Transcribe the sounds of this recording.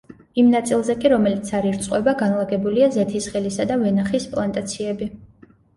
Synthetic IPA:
imnat̪sʼilˠzɛkʼiɾɔmɛlit̪sʰaɾiɾt̪sʼqʼwɛbaɡanlˠaɡɛbuliazɛt̪ʰisχɛlisad̪avɛnaχispʼlˠant̪ʼat̪sʰiɛbi

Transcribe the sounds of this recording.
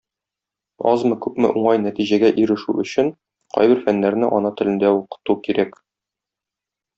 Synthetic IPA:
ɒzmɤkʉpmɘ̰ʔuɴɑjnæt̪iʑæɡæʔiɾɘ̆ʃʉɵ̆ɕɘn | qɒ̰jbɘɾfænːæɾnɘʔɒnɑt̪ɘ̆lɘ̆nd̪æuqɤ̥̆t̪ukiɾæk

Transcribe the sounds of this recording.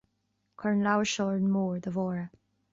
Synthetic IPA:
kʰɔɹnlawəʃɔɹdmɔːɹðəvɔɹə

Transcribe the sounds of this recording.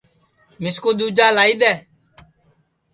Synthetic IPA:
mɪskoːd̪uːd͡ʒaːlaːiːd̪ɛː

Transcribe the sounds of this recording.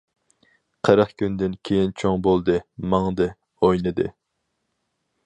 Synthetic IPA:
qʰəɾɑχkʲʰynd̪ɪnkʲʰejint͡ʃʰoŋbolˠd̪ɨmɑŋd̪ɨ | ojnɨd̪ɨ̰

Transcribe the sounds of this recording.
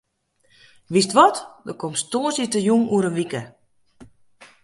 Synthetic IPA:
ʋistʋɔtdəkomstoːsitəjuŋuəɾəʋikə

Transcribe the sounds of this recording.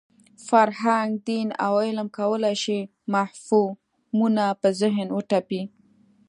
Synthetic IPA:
faɾɦaŋɡd̪ina̰wɪlmkawəlajʃi | mahfu | munapəzɪɦnwəʈapi

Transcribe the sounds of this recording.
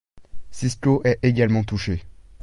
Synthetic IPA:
siskoʔɛeɡalmɑ̃t̪uʃe

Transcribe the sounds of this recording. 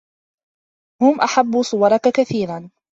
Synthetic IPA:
hʊmʔaħabːusˤʊwɑɾˤɑkakaθiːɾan

